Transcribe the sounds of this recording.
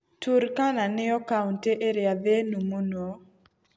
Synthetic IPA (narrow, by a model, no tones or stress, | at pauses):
tuɾkananɪɔkaunteʔeɾjaðenumono